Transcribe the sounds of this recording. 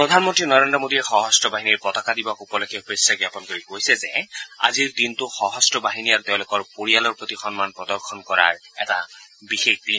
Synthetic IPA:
pɹɔd̪ʱanmɔntɹinɔɹendɹɔmodiɛxɔɦɔstɔbaɦiniɹpɔtɔkadibɔkupɔlɔkʰɛupesaɡapɔnkoɹikojsɛzɛa̰ziɹdintʊxɔɦɔstɔbaɦiniaɹt̪eʊ̃lʊkɔɹpoɹijalɔɹpɹot̪ixɔnmanpɹɔdɔɹxʰɔnkɔɹa̰ɹɛ̰ta̰bixek̚i

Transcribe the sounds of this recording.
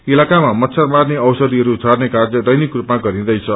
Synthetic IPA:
ilakamamʌt̪sʰʌrmarneʌwsʌd̪iɦʌɾut͡sʰarnekard͡zʌd̪ʌjnikrupmaɡʌɾĩd̪ʌjt͡sʰʌ

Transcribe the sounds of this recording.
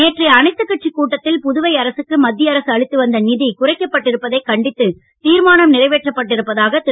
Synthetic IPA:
neːʈriɐnɐɪt̪ːɯkːɐʈ̚t͡ʃikːuːʈːɐt̪ːɪlpʊðʊʋɐɪɐɾɐsɯkːɯmɐd̪ːɪjɐɾɐsɯɐɻɪt̪ːɯʋɐnd̪ɐnɪðikʊrɐɪkːɐpːɐʈːɪɾɯpːɐðɐɪkɐɳɖɪt̪ːɯ | t̪iːɾmaːnɐmnɪrɐɪʋeːʈrɐpːɐʈːɪɾɯpːɐðaːɣɐt̪ɪ

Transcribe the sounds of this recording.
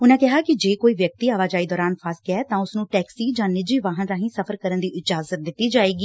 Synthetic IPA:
ʊnãːkɪɦaːkɪd͡ʒeːkoːiːʋjək̚t̪iːaːʋaːd͡ʒaːiːd̪ɔːɾaːnpʰaːskɛːt̪ãːʊsnũːʈɛːksiːd͡ʒãːnɪd͡ʒiːʋaːɦənɾaːɦĩːsəpʰəɾkəɾənd̪iːʔɪd͡ʒaːzət̪̚d̪ɪt̪ːiːd͡ʒaːeːɡiː

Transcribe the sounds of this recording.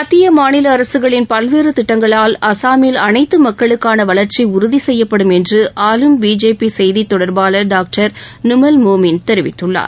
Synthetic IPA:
ɐt̪ːɪjɐmaːnɪlɐːɾɐsɯɣɐɭɪnpɐlʋeːrɯt̪ɪʈːɐŋɡɐɭaːlɐsaːmiːlɐnɐɪt̪ːɯmɐkːɐɭɯkːaːnɐʋɐɭɐɾt͡ʃiʊɾʊðisɛjːɐpːɐɽɯmɛndrɯʔaːlɯmbiːd͡ʒeːpisɛjðit̪ːɔɽɐɾbaːlɐɖaːk̚ʈɐɾnʊmɐlmoːmɪnt̪ɛɾɪʋɪt̪ːɯɭːa̰ːɾ

